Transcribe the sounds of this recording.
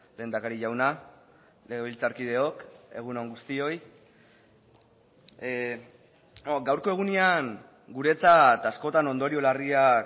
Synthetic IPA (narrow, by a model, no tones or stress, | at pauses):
le̞ːnd̪akaɾiʝawna | leɣeβilt͡saɾkið̞e̞o̞ke̞̰ɣ̞unoŋɡust̪io̞j | oɡawɾko̞e̞ɣ̞uneaŋ | ɡuɾe̞t͡sat̪asko̞t̪ano̞nd̪o̞ɾio̞laria